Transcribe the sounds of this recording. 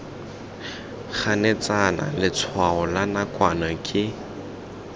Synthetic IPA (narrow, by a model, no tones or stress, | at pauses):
χanɛt͡sana̰lɪt͡sʰwaɔlanakʼwanakʼɪ